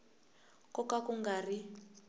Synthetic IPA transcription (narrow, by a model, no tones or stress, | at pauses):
kɔkakuŋɡari